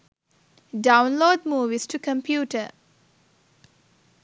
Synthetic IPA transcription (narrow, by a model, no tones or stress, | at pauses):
ɖaʊ̃nloːɖmuːʋizʈʰukə̃mpʰjuːʈə